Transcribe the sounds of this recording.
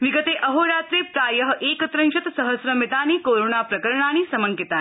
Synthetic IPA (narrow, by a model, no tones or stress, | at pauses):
ʋiɡət̪eːʔəɦoːɾaːt̪ɾeːpɾaːjəɦʔeːkət̪ɾənʃɐt̪sɐɦəsɾəmit̪aːniːkoɾoːnapɾɐkəɾɳaːñiːsɐməŋkit̪a